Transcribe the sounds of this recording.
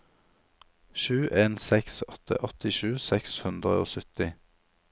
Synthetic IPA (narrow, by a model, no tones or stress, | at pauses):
ʃʉːʔeːnsɛksɔt̪ʰə̰ʔɔt̪ɪʃʉːsɛkshʉnd̪ʁə̰o̰ːsʏt̪ɪ